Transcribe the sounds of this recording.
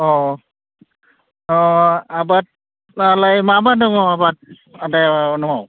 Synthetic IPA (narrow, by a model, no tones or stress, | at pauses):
ɔ | abat̚ | alajmabadɔŋɔabat̚ | adɛnɔɦaw